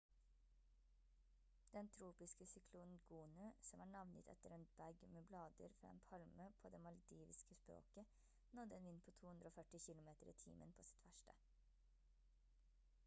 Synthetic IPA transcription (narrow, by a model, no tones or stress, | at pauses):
d̪̥ɛnt̪ʰɾuːpɪskəsʏkʰluːn̩ɡ̥uːnəsɔmæːɳɑʋnət̪ʰɛ̰t̪əɾeːnbæɡmeːblɑːd̪ə̰ɾfɾɑ̰ḛːnpʰɑlməpʰoːd̪eːmɑld̪iːʋɪskəspɾo̰ːkə | nɔd̪əeːnʋɪnpʰoːt̪ʰuːhʉnd̪ɾoːfœʈɪçɪlʊmeːt̪əɾḭːt̪ʰḭːmʔə̰npʰoːsɪ̥t̪ʰʋæʃʈə̰